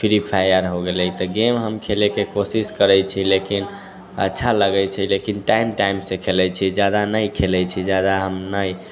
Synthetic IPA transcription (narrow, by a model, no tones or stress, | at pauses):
pʰiɾipʰajəɾɦoɡelɛjt̪ɔɡemɦəmkʰelekekosiskəɾəjt͡ʃʰilekin | ə̰tːʃʰaləɡɛjt͡ʃʰɛlekinʈaimʈaimsẽkʰelɛjt͡ʃʰid͡ʒjad̪anəjkʰelɛt͡ʃʰid͡ʒjad̪aɦəmnəj